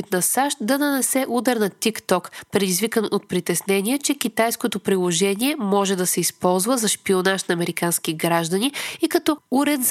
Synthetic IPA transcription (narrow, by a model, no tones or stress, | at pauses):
it̪nɐsaʃt̪d̪ɐnɐnɛsɛʔud̪ɛɾnɐt̪ikt̪ɔkpɾɛd̪izvikənot̪̚pɾit̪ɛsnɛniɛt͡ʃɛkʲit̪ajskot̪opɾilˠoʒɛniɛmɔʒɛd̪ɐsɛispɔlˠzvəzɐʃpionaʃnɐːmɛɾikansk̟iɡɾaʒd̪ɐniikɐt̪ɔuɾɛt̪z